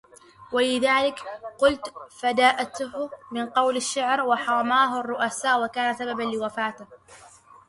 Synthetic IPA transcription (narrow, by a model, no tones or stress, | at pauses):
walɪðaːlɪkqʊlt̪fad̪aːʔat̪hmɪnqɑwlaʃːaʕɾwaħɑɾˤɑmaːɦʊarˤːʊʔasaːʔwakaːnasababanlɪwafaːt̪ɪh